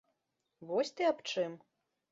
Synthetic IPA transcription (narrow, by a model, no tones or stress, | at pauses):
vɔsʲt̪ɨapt͡ʂɨm